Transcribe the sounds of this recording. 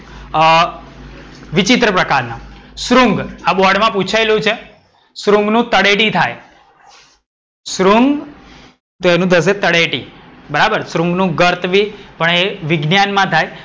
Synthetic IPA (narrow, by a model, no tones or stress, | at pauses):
ʋit͡ʃit̪ɾəpɾəkaɾnasɾuŋɡabɔɾɽmãput͡ʃʰajlũt͡ʃʰe | sɾuŋɡnũt̪əɽeʈĩt̪ʰaj | sɾuŋɡ | t̪oenũd̪əs̬et̪əɽeʈibəɾabəɾsɾuŋɡnũɡəɾt̪ʰʋipəɳeʋɪɡnjanmãt̪ʰaj